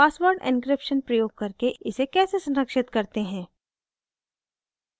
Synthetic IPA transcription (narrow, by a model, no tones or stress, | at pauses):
paːswəɾɖɪ̰̃nkɾɪpʃənpɾɐjoːɡ̚kɐɾkeɪsekɛːsesɐ̃nɾəkʃɪt̪kɐɾt̪eɦɛ̃ː